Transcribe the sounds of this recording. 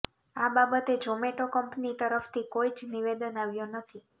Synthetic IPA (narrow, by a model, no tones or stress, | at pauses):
ababət̪ed͡ʒomeʈokəmpnit̪əɾəft̪ʰikoid͡ʒniʋed̪ənaʋjonət̪ʰi